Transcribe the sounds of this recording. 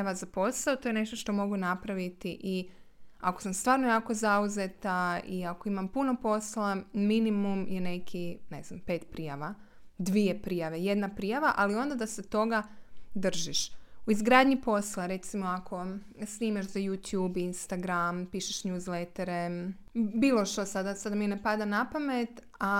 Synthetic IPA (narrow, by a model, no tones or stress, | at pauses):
aʋazapo̞saot̪ojene̞ʃt̪o̞ʃt̪o̞mo̞ɡunapɾaʋit̪iʔia̰kosamst̪ʋaːɾnojaːko̞zauze̞t̪aiako̞imampuno̞po̞slaminimumje̞ne̞kʰinḛznampe̞ːt̪pɾijaʋad̪ʋie̞pɾijaʋe̞je̞d̪napɾijaʋaʔalio̞nd̪ad̪aset̪o̞ɡad̪r̩ʒiʃuizɡɾaːd̪ɲipo̞slˠaɾe̞t̪simo̞akʰo̞ | sniːmaʃzajuːt̪juːbinst̪aɡɾampiːʃeʃɲuːzlet̪eɾe | biːlˠo̞ʃt̪osad̪asad̪aminepad̪anapame̞t̪ | a